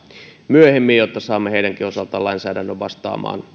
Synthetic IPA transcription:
myøhemːijjot̪ːɑsɑːmːeheidæŋkiosɑlt̪ɑːlɑinsæːdænːøʋʋɑ̰st̪ɑ̰ːmɑ̰ːn

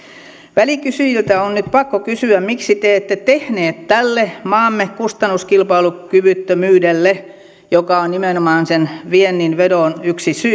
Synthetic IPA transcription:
ʋælikysyjilt̪æonnyt̪pɑkːokysyæmmiksit̪eːet̪ːet̪ehneːt̪tælːemɑːmːekkust̪ɑnːuskilpɑilukyʋyt̪ːømyːdelːe | jokɑonnimenomɑːnsenʋienːinʋedonyksisy

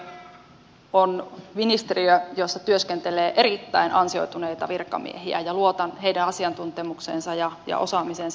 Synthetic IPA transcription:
onʋinist̪eriøjosːɑt̪yøskent̪eleːʔe̞ɾit̪ːæinʔɑnsio̞̰jt̪unejt̪ɑʋirkːɑ̰mḭeɦiæ̰jɑluot̪ɑnɦejdæɑsiɑnt̪unt̪emukseːnsɑjɑjɑ̰ʔo̞sɑmiseːns

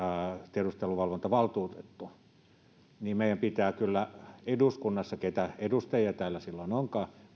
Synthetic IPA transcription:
t̪ierust̪eluʋɑlʋont̪ɑʋɑlt̪uːt̪et̪ːu | niːmeˑijæmpit̪æːkylːæeduskunːɑsːɑket̪æedust̪ɑjiɑt̪æːlːæsilːonoŋkɑː

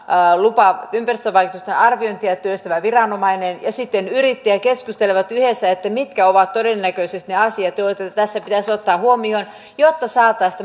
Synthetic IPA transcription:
lupɑʋɑympærist̪øʋɑijkut̪ust̪enɑrʋiont̪iæt̪ːˑøist̪æmæʋirɑnomɑinenjɑsit̪ːenyrit̪ːiækeskust̪eleʋɑt̪yhesːæet̪ːæmit̪kæoʋɑt̪todenːækøisest̪neɑsiɑt̪joet̪ːæt̪æsːæpit̪æsot̪ːɑːhuomion | jot̪ːɑsɑːt̪ːˑɑist̪æ

